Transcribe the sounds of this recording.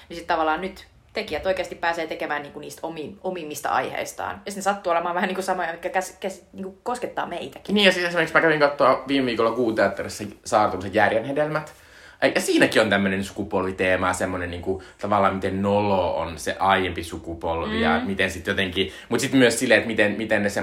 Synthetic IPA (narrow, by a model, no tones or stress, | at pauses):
nisit̪t̪ɑʋɑlːˑɑːnnyt̪ | t̪ekiæt̪oikeːst̪ipæːseːt̪ekemæːnniːŋkuniːst̪omiomimːist̪ɑ̰ɑ̰ihḛist̪ɑ̰ːnjɑsit̪nesɑt̪ːuːolemɑːʋæhæniŋkusɑmoɑekːækæskæsiniːŋkukosket̪ːɑ̰ːmeit̪æki̥niːjɑsit̪esimeeksmækæʋiŋkɑt̪ːoɑʋiːmeʋiːkolːɑkuːt̪eɑt̪ːɑresːɑsɑːrt̪unset̪jærjenhedelmæt̪ | jɑsiːnækiont̪æmːønensu̥kupolʋit̪eːmɑsemːoneniːŋkut̪ɑʋɑlːɑːmmit̪ennoloo̰nsḛʔɑijempisukupolʋḭjɑ̰mit̪ensit̪jot̪eŋkimut̪sit̪myøssilːeet̪mit̪enmit̪ennese